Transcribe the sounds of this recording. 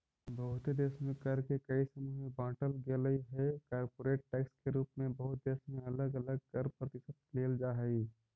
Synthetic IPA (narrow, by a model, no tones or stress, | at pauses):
bəɦʊt̪ed̪eːʃmẽkəɾkekɐisəmuibãːʈəlɡeːləiɦɛkaːɾpoːɾeːʈ̚ʈɛːkskeɾuːpmẽbəɦʊt̪̚d̪eːʃmẽɐləɡələɡ̚kəɾpɾət̪ɪsəd̪̚leːld͡ʒaɦɛi